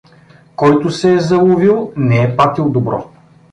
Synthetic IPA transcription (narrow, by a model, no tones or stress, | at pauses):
kɔjt̪ʊsɛːzɐlˠʊvilˠnɛɛpat̪ilˠd̪obɾɔ̰